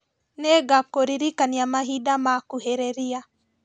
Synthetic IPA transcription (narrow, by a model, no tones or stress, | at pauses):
nɛɡakoɾiɾikaniamaɦidamakuɦeɾeɾia